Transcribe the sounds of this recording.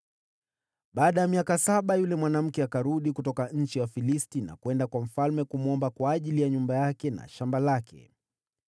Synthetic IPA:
ɓaːɗajamiakasaɓajulɛmwanam̩kɛakaɾuɗikutɔkaɲ̩t͡ʃiwafilistina̰kuwɛndakwam̩falmɛkumuɔmbakwaːʄilijaɲumbajakɛna̰ʃambalakɛ̰

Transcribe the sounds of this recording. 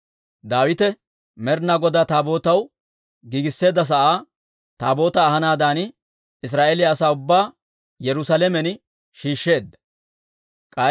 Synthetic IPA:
d̪aːwɪt̪ɛ | mɛɾnaɡɔd̪aːt̪aːbo̞ːt̪ɐw | ɡiːɡɪsːe̞ːd̪ːɐs̬ɐʔaː | t̪aːbo̞ːt̪ɐːɦɐnaːd̪aːn | ɪs̬ɾaːʔeːlɪjɐːsaːʊbːaː | jɛɾʊsalɛmɛn | ʃiːʃːe̞ːd̪ːɐ̥ | kʼɐ

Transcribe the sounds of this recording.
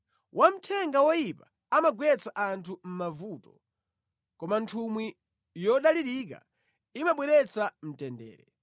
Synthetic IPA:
wʔam̩tʰɛŋɡawɔjipa | amaɡwɛt͡saʔantʰum̩mavuːtɔ̥ | kɔmantʰumwi | jɔɗaliɾik̬a̰ | imaɓwɛɾɛt͡sam̩tɛndɛ̰ːɾɛ

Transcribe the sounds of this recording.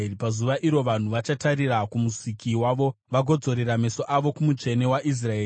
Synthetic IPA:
pazuʋaʔiɾo̞ʋan̤uʋat͡ʃataɾirakumusikiwaːʋo̞ʋaɡʱo̞d͡zo̞ɾeɾame̞so̞ʔaʋo̞kumut͡ʃe̞newaʔis̬raeː

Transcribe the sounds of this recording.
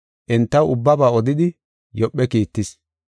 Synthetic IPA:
ʔɛnt̪ːɐwʊbːɐbaːɔd̪ɪd̪ɪ | jɔpːɛkiːt̪ːɪs

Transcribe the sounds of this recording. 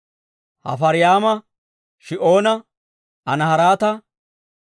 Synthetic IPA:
hɐ̰fɐɾɪjaːmɐ | ʃɪʔo̞ːnɐ | ɐnɐhɐɾaːt̪ɐ

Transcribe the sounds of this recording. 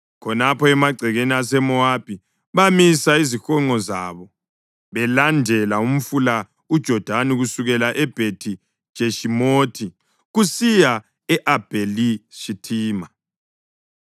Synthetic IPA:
kʰɔnapʰɔɛmaɡ͡ǀʱɛɣenias̬ɛmɔab̚ʱʼi | βamisaizixɔŋ͡ǃɔzaβɔ | βɛlandʱɛlaum̩fula | ud̥ʒ̥ʱɔd̥ʱaniɣusuɣɛlaʔɛb̥ʱetʰi̥ | ʒ̥ʱeʃimoːtʰi | ɣusija | ɛʔab̥ʱeliʃitʰiːma

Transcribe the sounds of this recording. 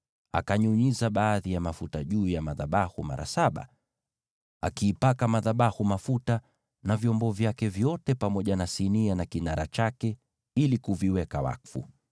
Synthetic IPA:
a̰kaɲuɲizaɓaːðijamafutaʄuːjamaðaɓahuma̰ɾa̰saɓa̰ | a̰kiːpakamaðaɓahumafuta | navjɔmbɔvjakɛvjɔtɛpamɔʄanasinianakinaɾat͡ʃakɛ | ilikuviwɛkawa̰kfṵ

